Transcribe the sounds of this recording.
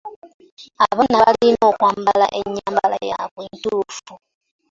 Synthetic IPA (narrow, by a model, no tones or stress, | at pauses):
aβanaβalino̞ːkwaːmbala̰ʔeɲːaːmbala̰jakwintuːfu